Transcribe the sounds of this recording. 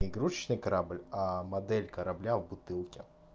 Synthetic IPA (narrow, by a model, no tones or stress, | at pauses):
ɪɪɡɾut͡ɕt͡ɕnɨjkɐɾablʲamɐd̪ɛlʲkɐɾɐblʲavbʊt̪ɨlˠkʲɪ